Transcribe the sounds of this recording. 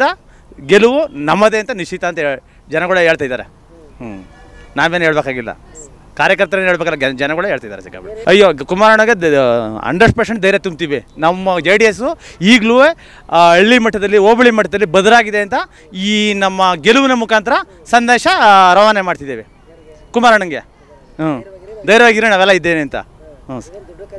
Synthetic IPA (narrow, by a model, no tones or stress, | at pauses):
ɐ | ɡeluʋunɐmːɐd̪eɐnt̪ɐniʃit̪ɐːnt̪ɐ | d͡ʒɐnɐɡɐɭeːɭt̪ajd̪aːɾe | naːʋeːnɦeːɭɐbeːkaːɡilːɐ̰ | kaːɾjɐkɐɾt̪ɐɾeːnɦeːɭbekɐlːɐd͡ʒɐnɐɡɐɭeeːɭt̪ajd̪aɾesika̰bɐɭɐjːokumaːɾaːɳɐɡeɐ̰ɳɖɐɾsʈpɾeʃeɳʈd̪ɐjɾet̪umb̚t̪iʋenɐmːɐd͡ʒeːɖijes̬uiːɡɭue | ɐɭːimɐʈːɐd̪ɐlːioːbɐɭimɐʈːɐd̪ɐlːibɐd̪uɾaːɡid̪eɐnt̪ɐ | iːnɐmːɐɡeluʋunɐmukaːnt̪ɐɾɐ | sɐnd̪eːʃɐɾɐʋaːnemaːɖt̪id̪eʋe | kumaːɾaːɳɐŋɡe | d̪ɐjɾɐʋaːɡid̪ɾenaːʋɛlːɐid̪ːeːneɐnt̪ɐ̰